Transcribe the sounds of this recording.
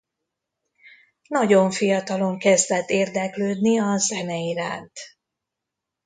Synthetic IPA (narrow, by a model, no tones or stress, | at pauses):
nɒɟo̞ɱfijɒt̪ɒlo̞ŋkɛzd̪ɛt̪ːeːrd̪ɛkløːd̪niɒzɛnɛiɾa̰ːnt̪